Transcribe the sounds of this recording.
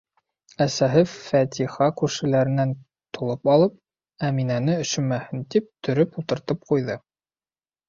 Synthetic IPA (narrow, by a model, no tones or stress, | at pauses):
æsæɦɘfæt̪ʰiχɑkʉɾʃɘ̆læɾɘ̆næn | t̪ʰulˠɤpɑlˠɤp̚ | æminænɘɵ̆ʃɵ̆mæhɘnt̪ip̚t̪ʰɵ̆ɾɵpulˠt̪ɤ̆ɾt̪ɤp̚qujðɤ